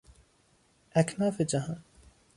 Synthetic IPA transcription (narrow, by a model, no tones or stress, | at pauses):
ʔæknɑːfed͡ʒæɦɑːn